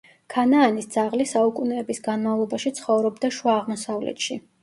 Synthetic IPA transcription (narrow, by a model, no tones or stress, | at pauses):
kʰanaːnisd̪z̥aʁlisaukʼunɛːbisɡanmavlˠɔbaʃit̪sʰχɔvɾɔbd̪aʃwaːʁmɔsavlɛ̰t̪ʃi